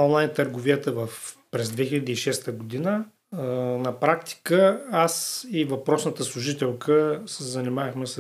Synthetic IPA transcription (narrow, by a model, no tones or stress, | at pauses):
ɔnlˠajnt̪əɾɡʊviət̪əvəfpɾɛzd̪vɛxilʲɐd̪iːʃɛst̪əɡʊd̪inə | nɐpɾakt̪i̥kəasivɐpɾɔsnət̪əslˠuʒit̪ɛlˠkʰəsɛzɐnimavəxmɛs